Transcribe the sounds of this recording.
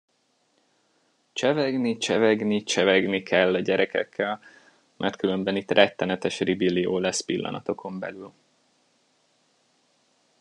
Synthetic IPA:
t͡ʃɛvɛɡnit͡ʃɛvɛɡnit͡ʃɛvɛɡnikʰɛlːɒɟɛɾɛkʰɛ̰kːɛl | mʔɛ̰rt̪̚kylø̞mbɛnit̪rʔɛt̪ːɛnɛt̪ɛʃribilioːlɛspilːɒ̰nɒ̰t̪o̞kʰo̞mbɛ̰lyl

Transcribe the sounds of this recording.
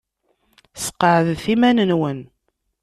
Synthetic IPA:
sə̥qːəʕðθimænənwən

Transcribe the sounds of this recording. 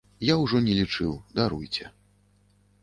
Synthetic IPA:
jawʐɔnʲɛlʲit͡ʂɨwd̪aɾujt͡sʲɛ

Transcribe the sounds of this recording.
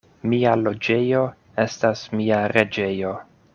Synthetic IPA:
mialo̞d͡ʒe̞jo̞ | e̞stasmiaɾe̞d͡ʒe̞jo̞

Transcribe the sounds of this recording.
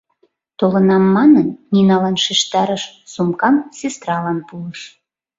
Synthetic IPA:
t̪olənɑmːɑnənːʲinɑlɑnʃiʃt̪ɑɾəʃsumkɑmsʲest̪ɾɑlɑnpuləʃ

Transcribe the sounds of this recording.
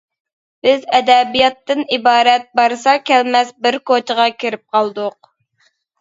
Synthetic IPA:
b̥ɪzɛd̪ɛbijɑt̪ːɨnibɑːɾɛt̪̚bɑɾsɑkʲʰɛlmɛsbɪɾkot͡ʃʰəʁɑkʲʰiɾɪp̚qʰɑlˠd̪ʊq̚

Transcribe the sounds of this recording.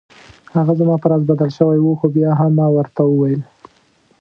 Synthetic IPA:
haɣazamɑpəɾɑzbad̪alʃəwajwuxobjɑɦamːɑwəɾt̪awəwajəl

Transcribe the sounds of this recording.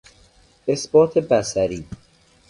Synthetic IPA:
esbɒːt̪ʰebæsæɾiː

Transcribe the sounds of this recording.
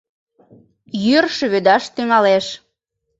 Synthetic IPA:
jyrʃøβød̪ɑʃt̪yŋɑleʃ

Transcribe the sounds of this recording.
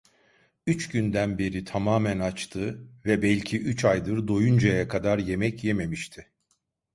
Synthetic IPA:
yt͡ʃɟynd̪ænbeɾit̪ʰamaːmænat͡ʃt̪ʰɯvɛbɛlʲcʰiʔyt͡ʃajd̪ɯɾd̪ojund͡ʒajakʰad̪aɾje̞mɛcjeme̞miʃt̪ʰɪ

